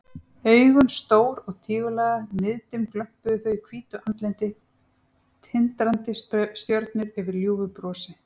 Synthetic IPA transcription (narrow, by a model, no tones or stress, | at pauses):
œːɥɣʏnst̪oːwɾɔɣt̪ʰiːɣʏlaːðanɪðt̪ʏmklœm̥pʏðɪθœɥjkʰv̥iːt̪ʏʔant̪lɛnt̪ɪ | t̪ʰɪnt̪ɾant̪ɪsst̪jœɾt̪nʏɾɛvɪɾljuːvʏpɾɔːsɪ